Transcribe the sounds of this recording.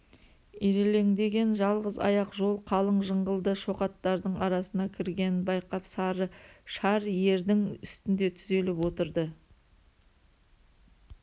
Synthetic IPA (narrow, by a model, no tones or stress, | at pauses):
iɾe̞le̞ŋd̪e̞ɡʲe̞nʒɑlˠʁəzɑ̰jɑqʒo̞lˠqʰɑlˠəɴʒəɴʁəlˠd̪əʃo̞qɑt̪ːɑɾd̪əɴɑɾɑsənɑkʲʰɪɾɡʲe̞nbɑjqɑpsɑɾəʃɑɾje̞ɾd̪ɪŋʏ̰st̪ɪnd̪e̞t̪ʰʏze̞lɪpwo̞t̪əɾd̪ə